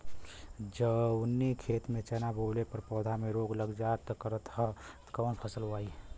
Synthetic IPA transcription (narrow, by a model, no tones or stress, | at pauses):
d͡ʒənːikʰeːt̪mẽt͡ʃɛnaboːlepəɾpɔːd̪ʱameɾoːɡləɡd͡ʒat̪kəɾət̪ɦət̪kɔːnpʰəsəlɦoaːi